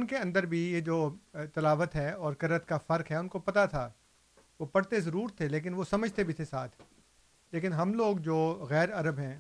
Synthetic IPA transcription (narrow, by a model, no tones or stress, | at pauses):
ʊnkeɐ̃nd̪əɾbʱijed͡ʒoːt̪ɐlaːʋət̪ɦɛːɔːɾkɐɾət̪kafɐɾkɦɛʊnkopɐt̪at̪ʰa | ʋopɐɽt̪ezɐɾuːɾt̪ʰːeleːk̬ɪnʋosɐməd͡ʒʱt̪ebʱit̪ʰesaːt̪ʰ | leːkɪnɦɐmloːɡd͡ʒoːɣɛːɾɐɾəbɦɛ̃ː